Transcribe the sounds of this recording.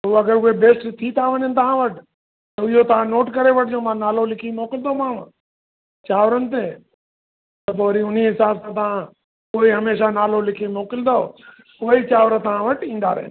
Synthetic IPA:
ɦuɐɡəɾʊɦebeːsʈt̪ʰit̪ʰaʋɐɲənɪ̆t̪ɐʋ̤ãʋɐʈɪ | t̪ɐɪɦot̪ɐʋ̤ãnoːʈkɐɾeʋɐʈʰɪd͡ʑoːmãːnaːlolɪkʰimoːkɪlɪd̪omãːʋ | t͡ɕaːʋɾənɪ̆t̪eː | t̪ɐpoːɾiʊn̤iɦɪsaːbsãt̪̬ɐʋ̤ã | koːiɦɐmeːʃanaːlolɪkʰimoːkɪld̪oo | koːit͡ɕaːʋɾət̪ɐʋ̤ãʋɐʈĩːn̆d̪a̰ːɾə̰ɦɪ̰nɪ

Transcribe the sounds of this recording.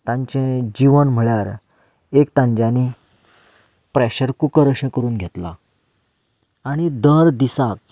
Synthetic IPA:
t̪ãɲt͡ɕẽd͡ʑiʋənm̤əɭjaɾ | ekt̪ãɲd͡ʑani | pɾɛɕəɾkukəɾəɕẽkəɾuːnɡʱet̪la̰ | aɽ̃id̪əɾd̪isak

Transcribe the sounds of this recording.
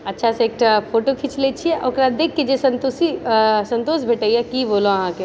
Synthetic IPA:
ɐtːʃʰaseeːk̚ʈpʰoːʈokʰit͡ʃlet͡ʃʰiɛʔɔ̰ɾkɾaːd̪eːkʰːed͡ʒesɐ̃nt̪osisɐ̃nt̪oːsbʱeʈəiakiboːloɐɦãke

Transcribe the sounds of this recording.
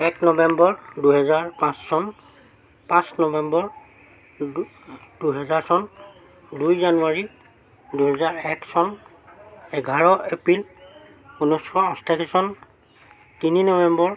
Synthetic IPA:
ɛknɔbɛmbɔɹduɦɛzaɹpãsːɔn | pãsnɔbɛmbɔɹ | d̥uɦɛzaɹsɔn | dujzanuaɹi | duɦɛzaɹɛksɔn | ɛɡʱaɹɔʔepɹil | unɔjskʰɔɔ̃stʰakʰesɔn | tininɔbɛmbɔɹ

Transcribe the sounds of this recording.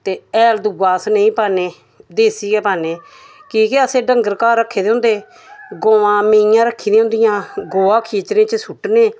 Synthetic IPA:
t̪eːɛːld̪ʊɡaːsnəĩːpaːneː | d̪eːsiːɡɛːpaːneː | kiːkeəsẽːɖəŋɡəɾkaːɾːəkʰːeːd̪eːʊ̃nd̪eː | ɡoːãːmẽːjãːɾəkʰːiːd̪eːɦʊ̃nd̪ɪijãːɡoːãːkʰiːt͡ʃɾẽːt͡ʃəsʰʊʈneː

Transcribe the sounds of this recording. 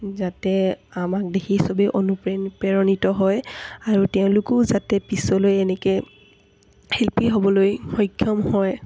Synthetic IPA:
zatɛamak̚dexʰisɔbeʔonupɹenpɛɹɔnitɔɦɔjaɹutɛʊ̃lʊkʊzatɛpisɔlojɛnɛkɛ | helpiɦobɔlojxɔjkʰːjɔmhɔj

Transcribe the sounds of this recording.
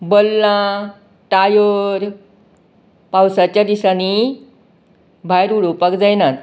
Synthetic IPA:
bəlːã | ʈajəɾ | pawsat͡ɕjad̪isani | bʱajɾuɽupakd͡zajnat̪

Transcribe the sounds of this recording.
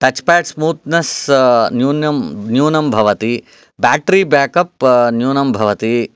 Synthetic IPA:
ʈ̪ɐt͡ʃpaːʈsmuːt̪nɐsnjuːnjɐmnjuːnɐmbʱɐʋɐt̪i | baːʈɾibaːkɐpnjuːnɐmbʱɐʋɐt̪i

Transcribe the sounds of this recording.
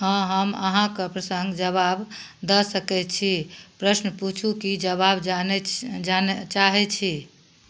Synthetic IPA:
ɦə̃ɦəmə̰ɦãkepɾəsəŋɡd͡ʒəβab | d̪əsəkɛt͡ʃʰipɾəsnput͡ʃʰukid͡ʒəβabnant͡ʃaɦɛt͡ʃʰi

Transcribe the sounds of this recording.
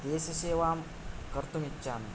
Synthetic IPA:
d̪eːsɐseːʋaːm | kəɾt̪umitːɕaːn

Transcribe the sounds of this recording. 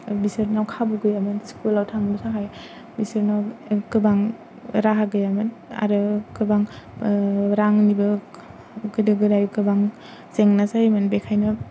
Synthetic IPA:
bisɯɾnawkʰabuɡɯjamɯnskulawtʰaŋbusaɦʰaj | bisɯɾnawkɯbaŋ | ɾaɦaɡɯjamɯn | a̰ɾɯkɯbaŋ | ɾaŋnibɯ | ɡɯdɯɡɯdajkɯbaŋ | seŋnasajmɯnbekʰajnɯ

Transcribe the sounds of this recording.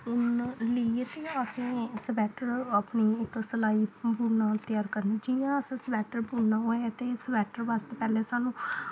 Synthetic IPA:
ʊnliet̪ẽːəsĩːsəbɛːʈəɾəːpniːɪksəlaːiːbuːɾnãːt̪jaːɾkəɾnaːd͡ʒɪjãːəsãːsəbɛːʈəɾbuːɽnãːɦoːet̪eːsəbɛːʈəɾʋast̪ːpɛːlẽːsaːnũː

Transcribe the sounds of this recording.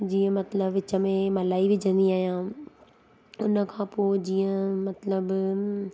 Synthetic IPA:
d͡ʑiːə̃mɐt̪ləbɪt͡ɕəmẽmɐlaːiʋɪd͡ʑʱə̃nd̪iaːɦijãː | ʊnəkʰãːpoːd͡ʑiːə̃mɐt̪ləb

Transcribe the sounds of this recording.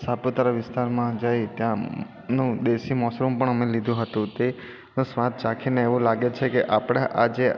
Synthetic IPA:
sapot̪aɾaʋɪst̪aɾmãd͡ʒajt̪jã | nũd̪eʃimɔslumpəɳəmelid̪ʱũɦət̪ũt̪e | nũsʋãt̪̚t͡ʃakʰineeʋũlaɡet͡ʃʰekeʔapɽ̃aʔad͡ʒe

